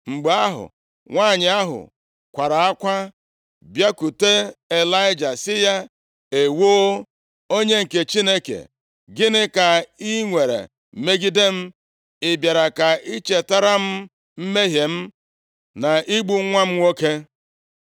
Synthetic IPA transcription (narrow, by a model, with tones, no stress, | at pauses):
ŋ͡m̩˨ɡ͡ba˦ɦʊ̰˨ | ŋʷaː˦˨ɲɪ˨a˦ɦʊ̰˨ | kʷa˨ɾa˨a˦kʷa˦ | bja˦ku˨te˦e˨la˦ɪ˦d͡ʒa˨sɪ˦ja˦ | e˨woː˦ | o˦ɲe˦ŋ̩˨ke˨t͡ʃi˦ne˦kḛ˨ | ɡɪ˦nɪ˦ka˨i˦ŋʷe˨ɾḛ˨ | me˦ɡi˦de˦m̩˦ | ɪ˨bja˨ɾa˨ka˨i˦t͡ʃe˨ta˦ɾa˦m̩˦ | m̩˦me˦ɦje˨m̩˦ | na˨i˦ɡ͡bu˦ŋʷa˦m̩˦ŋo˦ke˦